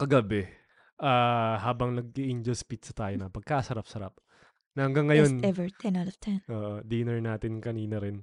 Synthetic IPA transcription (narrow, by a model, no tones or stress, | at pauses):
kɐɡɐbɛ | ʔaːhaːbɐŋnɐɡ̚iʔɪnd͡ʒolspit̪̚sɐt̪aːjonɐpɐɡ̚kasɐɾap̚sɐɾap̚ | nɐhɐŋɡaŋːɐjo̞nɛvɛt̪ʰɛ̃nalɔft̪ʰɛnʔoːʔod̪iːnɛɹnaːt̪ɪnkɐniːnɐɾɪn